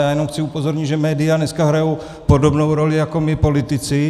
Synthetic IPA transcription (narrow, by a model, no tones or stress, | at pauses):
jaːjɛnomxt͡sɪupo̞zoɾɲɪd̪ʒɛmɛːdɪjanɛskaɦɾajow | podobnowɾolɪjako̞mɪpo̞lɪt̪ɪt͡sɪ